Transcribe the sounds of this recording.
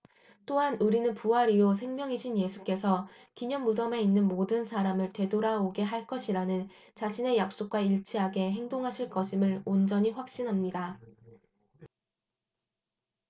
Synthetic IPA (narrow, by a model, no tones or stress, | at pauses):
t͈oɦanuɾinɯnpuɦaɾios̬ʰe̞ŋmjʌŋiɕʰinje̞sʰu̥k͈e̞sʰʌ | kiɲʌŋmudʌme̞inːɯnmodɯnsʰaɾamɯɭte̞doɾaoɡe̞ɦaɭk͈ʌɕʰiɾanɯn | t͡ɕaɕʰine̞jak̚s͈ok̚k͈waiɭt͡ɕʰiɦaɡe̞ɦe̞ŋdoŋɦaɕʰiɭk͈ʌɕʰimɯɭond͡ʑʌɲiɸwak̚ɕ͈inɦamɲida